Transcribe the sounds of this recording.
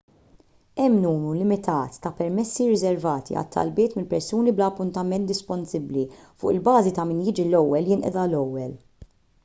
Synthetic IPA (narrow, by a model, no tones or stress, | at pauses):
ɛmːnuːnulɪmɪt̪ʰɐːt̪ːɐpɛɾmɛsːiɾɪzɛɾvɐːt̪ḭɐ̰t̪ʰːɐ̰lbɪːt̪mɪlpɛɾsuːniblɐːpːʊnt̪ɐmɛnt̪d̪ɪspɔnsɪblifʊːʔɪlbɐːzit̪ɐmɪːnjɪːd͡ʒilɔwːɛljɪnʔɛ̰d̪ɐlɔwːɛl